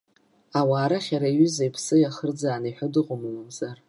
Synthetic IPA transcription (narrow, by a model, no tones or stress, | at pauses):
awaːɾaχʲaɾaiɥʏzajpʰsɨjaχərd͡zaːnaħʷadɨqʼʊmalamzar